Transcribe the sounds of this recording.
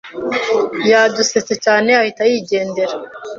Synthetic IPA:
jaduset͡se̞t͡ʃaːne̞ahitajiːɟe̞ːnde̞ɾa

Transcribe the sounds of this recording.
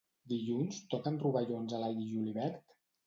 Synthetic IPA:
d̪iʎunst̪ɔkənruβəʎonzəlajiʒuliβɛɾt̪

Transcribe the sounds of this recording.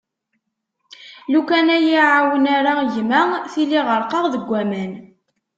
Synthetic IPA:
lukænæjiʕawənaɾaʝmæθiliʁəɾˤqɑʁðəɡʷːæmæn

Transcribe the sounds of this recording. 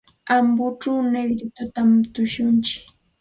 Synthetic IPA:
ambʊʈ͡ʂawneɡɾɪt̪ʊt̪amt̪ʊʃʊnt͡ʃɪ̥

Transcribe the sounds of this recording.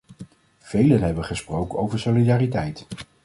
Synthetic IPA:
v̥ejlənɦɛbənχəsprowkənowvəɹsolidaːritɛjt

